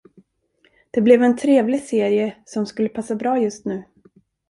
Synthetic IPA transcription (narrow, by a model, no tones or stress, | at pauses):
d̪̥ɛblɛvɛnt̪ʰɾeːvlɪseːɾɪəsɔmskɵlːəpʰasːabɾɑːjɵst̪nʉ̟ː